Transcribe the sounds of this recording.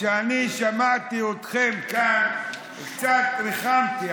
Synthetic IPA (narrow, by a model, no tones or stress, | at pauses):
eaniʃamat̪iot̪χemkan | kt͡sat̪ɾiχant̪i